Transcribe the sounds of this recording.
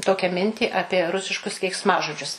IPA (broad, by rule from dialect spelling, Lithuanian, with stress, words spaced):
ˈtoːkʲæː ˈmʲɪnʲtʲiː ˈɑːpʲiɛ ˈrʊsʲɪʃkʊs kʲɛɪksˈmɑːʒoːd͡ʒʲʊs